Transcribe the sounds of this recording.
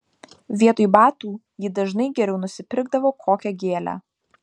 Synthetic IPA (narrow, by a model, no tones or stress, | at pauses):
ʋʲiɛt̪oːjbɑːt̪uː | jɪd̪ɐʒnɐɪɡʲɛɾʲɛʊnʊsʲɪpʲɪɾɡd̪ɐʋoːkʰoːkʲɛɡʲeːlʲæ̰ː